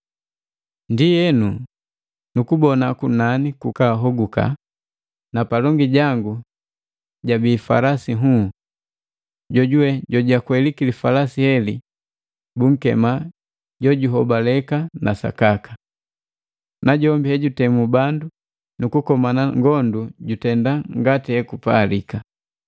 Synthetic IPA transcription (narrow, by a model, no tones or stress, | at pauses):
ndijɛnu | nukubɔnakunanikukaɦɔɡuka̰ | napalɔŋɡiɟaŋɡu | ɟabiːfa̰lasiɦu | ɟɔɟuwɛɟɔɟakwɛlikilifalasihɛli | buŋ̩kɛ̰ma | ɟɔɟuɦɔbalɛkanasa̰kakḁ | naɟɔmbihɛɟutɛmubandu | nukukɔmanaŋɡɔnduɟutɛndaŋɡatihɛkupaːlika